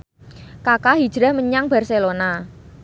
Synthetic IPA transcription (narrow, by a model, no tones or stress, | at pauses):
kakaɦid̥ʒ̥ɾahməɲaŋb̥a̤rselona